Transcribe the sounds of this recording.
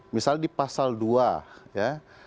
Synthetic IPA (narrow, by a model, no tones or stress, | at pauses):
misaldipasalduaja